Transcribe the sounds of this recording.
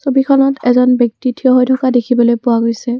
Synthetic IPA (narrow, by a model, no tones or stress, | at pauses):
sobikʰɔnɔtɛzɔnbjɔk̚titʰiɔɦojtʰɔkadekʰibɔlojpʊwaɡojsɛ